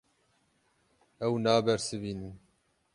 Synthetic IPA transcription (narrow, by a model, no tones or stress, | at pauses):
ɛwnɑːbɛɾsɨbiːnɨn